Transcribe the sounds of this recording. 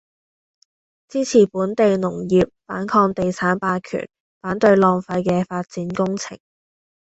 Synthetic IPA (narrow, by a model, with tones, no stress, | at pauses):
t͡siː˥t͡sʰiː˨˩puː˨˥nt̪e˨jnʊ˨˩ŋjiː˨p̚faː˨˥nkʰɔː˧ŋt̪e˨jt͡sʰaː˨˥npaː˧kʰy̰ː˨˩n | faː˨˥nt̪ɵ˧ɥlɔː˧ŋfɐ˧jkɛː˧faː˧t̚t͡siː˨˥nkʊ˥ŋt͡sʰɪ̰˨˩ŋ